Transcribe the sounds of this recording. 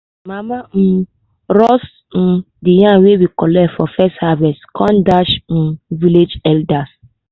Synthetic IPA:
mãman̩ | ɾɔs | n̩ | dijãnwewikɔlɛtfɔfɛsthavɛskʰɔ̃ndaʃñ̩viled͡ʒɛldas

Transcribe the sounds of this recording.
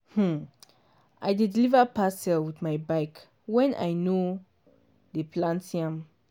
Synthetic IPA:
hm̩ | ʔajdidilivəpasɛlwidmajbaɪk | wɛ̃nʔa̰jno | dəpʰlãntiãm

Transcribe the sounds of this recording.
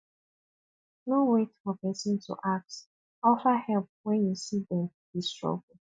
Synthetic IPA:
nowetfɔpɛsĩntʰṵʔak̚t | ɔfahɛlp̚wɛ̃njusidɛ̃m | distɹɔ̰ɡl̩

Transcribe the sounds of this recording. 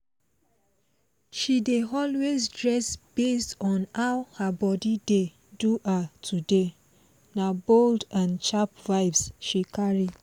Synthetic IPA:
ʃideɔlwezdɹɛsb̥estɔ̃nawhabɔdide | duatʰude | naboldãnt͡ʃapvaɪvsʃikʰaɹi

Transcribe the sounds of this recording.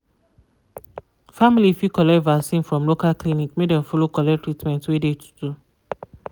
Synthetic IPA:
familifikɔlɛvasĩnfɹɔ̃mlokalklinikmedɛ̃mfɔlokɔlɛtɹitmɛ̃ntwedetʰu̥du

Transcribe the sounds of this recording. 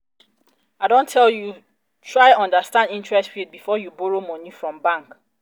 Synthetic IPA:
aɪdõntʰɛlju | tʰɹaɪɔ̃ndastãndĩntɹɛstfit̚bifɔjubɔɹomɔ̃nifɹɔ̃mbãŋk

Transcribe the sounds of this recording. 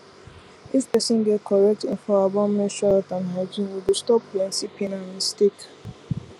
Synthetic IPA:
ispɛsɔ̃nɡɛt̚kʰɔɹɛk̚tĩnfɔabãmɛ̃ʃalɔtãnɦad͡ʒĩnwibistɔplɛ̃nsipʰĩnãmistek

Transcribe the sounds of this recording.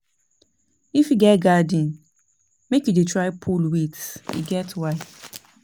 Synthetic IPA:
ifjiɡɛtɡadĩn | mekjudetɹaɪpʰulwitḭɡɛtwaɪt

